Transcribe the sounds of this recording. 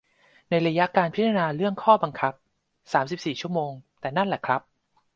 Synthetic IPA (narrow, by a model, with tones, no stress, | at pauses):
na˧jɾa˧ja˦˥kaː˧npʰi˦˥t̪ʰːnaː˧ɾɯ˥˩əŋkʰɔː˥˩ba˧ŋkʰa˦˥p̚ | saː˩˦msi˨˩p̚siː˨˩t͡ɕʰu˥˩əmoː˧ŋt̪ɛː˨˩na˥˩nlɛː˨˩kʰɾa˦˥p̚